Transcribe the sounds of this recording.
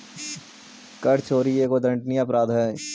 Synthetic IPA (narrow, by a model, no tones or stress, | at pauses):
kɐɾt͡ʃʰoːɾieːkod̪ɾɐ̃ɳʈniəpɾaːd̪ɦɛː